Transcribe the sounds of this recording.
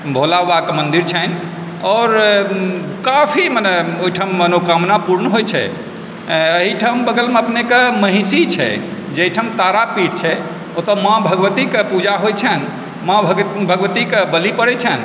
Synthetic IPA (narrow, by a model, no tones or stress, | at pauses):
bʱolaːakemənd̪iɾt͡ʃʰɛni | ɔɾ | kafʰiməneoiʈʰəmːənokamnapuɾnɦojt͡ʃʰɛ̰ | əɦiʈʰəmbəɡəlmeəpnekeməɦĩsit͡ʃʰɛ̰ | d͡ʒeɦiʈʰəmt̪aɾapiʈt͡ʃʰɛ | ot̪əmãbʱəɡʋət̪ikepud͡ʒaɦojt͡ʃʰɛn | mãbʱbʱəɡʋət̪ikebəlipəɾɛt͡ʃʰɛn